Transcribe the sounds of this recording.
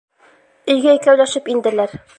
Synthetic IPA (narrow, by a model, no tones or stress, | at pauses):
ɵ̆jɡæjkæwlæʃɘpind̪ɘ̆læɾ